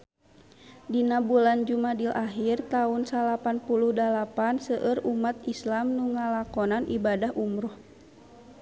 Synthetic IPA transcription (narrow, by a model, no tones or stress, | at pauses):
dinabuland͡ʒumadilaɦirt̪aunsalapanpuluhdalapansəʔərumat̪islamnuŋalakɔnanʔibadahʔumɾɔh